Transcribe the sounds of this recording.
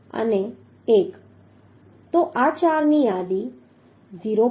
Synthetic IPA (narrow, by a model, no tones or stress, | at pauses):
ə̰ne | ek | t̪oʔat͡ɕaɾnijad̪i | ziɾo